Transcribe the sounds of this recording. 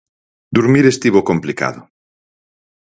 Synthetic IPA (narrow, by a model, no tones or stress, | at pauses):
d̪uɾmiɾest̪iβokomplika̰ðo